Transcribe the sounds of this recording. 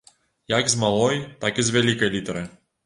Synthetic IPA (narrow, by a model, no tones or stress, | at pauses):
jaɡzmalˠɔjt̪akizvʲalʲikɐjlʲit̪ɐɾɨ